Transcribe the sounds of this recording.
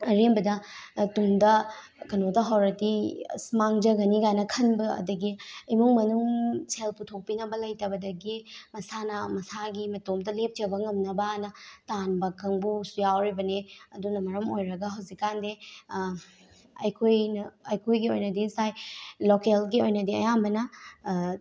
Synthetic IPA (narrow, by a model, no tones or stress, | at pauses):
ɐɾimbɐdɐtumdɐ | kɐnotɐɦawɾɐtismaŋd͡ʒɐɡɐniɡajnɐkʰɐnbɐɐ̰dɐɡiɐjmuŋmɐnuŋsʰelputʰok̚pinɐbɐlɐjtɐbɐdɐɡimɐsanɐmɐsaɡimɐtomdɐlep̚d͡ʒɐbɐŋɐmnɐbaanɐtanbɐkɐŋbusujawɾibɐneɐdunɐmɐɾɐmojɾɐɡɐɦawzikːande | ɐjkʰojnɐɐjkʰojɡiojnɐdisajlokelɡiojnɐdiɐ̰jambɐnɐ